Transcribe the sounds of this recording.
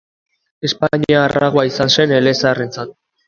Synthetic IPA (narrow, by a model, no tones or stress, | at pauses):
e̞spaɲiaːraɣoaisanse̞ne̞le̞sare̞nt͡sat̪̚